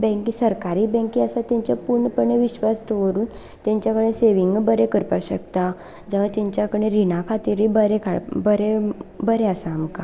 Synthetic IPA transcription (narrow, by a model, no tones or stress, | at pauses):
bɛ̃ŋkisəɾkaɾiːbɛ̃ŋkiəsat̪jãɲt͡ɕjapuɾɳpəɳeʋiɕʋast̪oʋəɾuːn | t̪jãɲt͡ɕjakəɽ̃ẽseʋiŋɡbəɾekəɾpaɕə̰kt̪a | d͡zaʋ̤at̪jaɲt͡ɕjakəɽ̃eɾinakʰat̪iɾibəɾekʰaɽbəɾebəɾeasaːmka